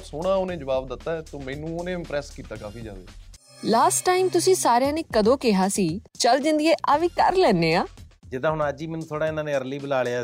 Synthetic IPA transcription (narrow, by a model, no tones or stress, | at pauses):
soːɽ̃aːonẽːd͡ʒəʋaːbd̪ɪt̪ːaːɛːt̪oːmɛːnũːonẽːɪ̃mpɾɛːskiːt̪aːkaːfiːd͡ʒaːʋḛː | laːsʈːaːimt̪ʊsĩːsaːɾjãːneːkəd̪õːkɪɦaːsiːt͡ʃəld͡ʒɪnd̪ieːʔaːʋiːkə̰ɾlɛːneːaːd͡ʒɪd̪ãːɦʊɳaːd͡ʒiːmɛːnũːt̪ʰoːɽaːɪnãːnẽːəɾliːbəlaːleaː